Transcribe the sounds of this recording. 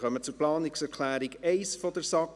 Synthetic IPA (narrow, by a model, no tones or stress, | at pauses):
χœmət͡sʊɾplɑːnɪksɛɾkʰlæːɾiɡeɪsfɔd̥əɾsɑk